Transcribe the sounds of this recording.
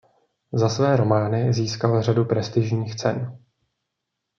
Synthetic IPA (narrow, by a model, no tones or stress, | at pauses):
zasvɛːɾo̞maːnɪziːskalr̝adupɾɛst̪ɪʒɲiːxt͡sɛ̰n